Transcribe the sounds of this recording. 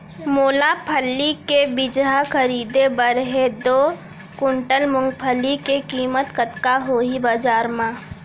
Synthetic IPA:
moːlapʰəlːikebɪd͡ʒɦakʰəɾiːd̪ebəɾɦed̪oː | kʊɳʈəlmʊ̃ŋɡpʰəlikekiːmət̪kət̪kaɦoibəd͡ʒaːɾmãː

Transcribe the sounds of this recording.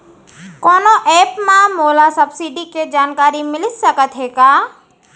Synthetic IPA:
kɔːnoʔeːpmãmoːlasɐbsiɖiked͡ʒaːnkaːɾimɪlɪsɐkət̪ɦeːɡaː

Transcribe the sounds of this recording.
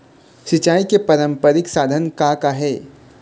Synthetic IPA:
ʃɪt͡ʃaːikepɐɾə̃mpəɾɪksaːd̪ʱənkakaɦɛː

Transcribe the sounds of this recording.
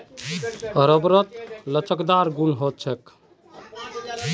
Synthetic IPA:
əɾəbɾət̪lət͡ʃəkd̪aɾɡunɦot̪̚t͡ʃʰɛk

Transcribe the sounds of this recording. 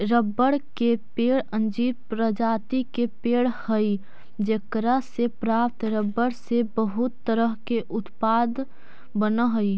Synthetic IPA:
ɾəbːəɽkepeːɽə̃nd͡ʒiːɾpɾəd͡ʒaːt̪ikepeːɽhəi | d͡ʒekɾasepɾaːpt̪ɾəbːəɽsebəɦut̪ːəɾəɦkeʔʊt̪pad̪ | bənəɦəi

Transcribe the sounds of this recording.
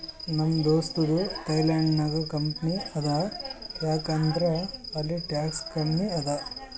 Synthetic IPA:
nɐmd̪oːst̪udut̪ɐjlaːɳɖnɐɡɐkɐmpniɐd̪ɐjaːkɐnd̪ɾɐɐlːiʈjaːkskɐmniɐd̪ɐ

